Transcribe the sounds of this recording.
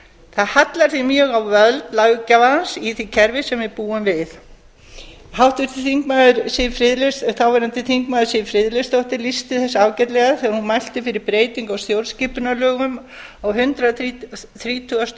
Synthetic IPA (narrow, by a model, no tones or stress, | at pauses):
θaðhat̪laɾ̥θimjœɣawvœlt̪laɣʏcavansiθicʰɛɾvɪsɛmvɪðpuːamvɪθ | ɦawht̪ʏɾ̥θiθiŋkmaːðʏɾsɛjʏfɾɪðlɛsθawvaɾant̪ɪθiŋk̚maːðʏɾ̥sɛjʏfɾɪðlɛst̪owht̪ɪɾlist̪ɪθɛsːaawcɛt̪lɛɣaθɛːɣaɾhunmajl̥t̪ɪfɪɾɪɾpɾeːjt̪iŋkawst̪jowlscɪpʏnalœːɣʏm | awɦʏnt̪ɾaθɾiːt̪ʰʏast̪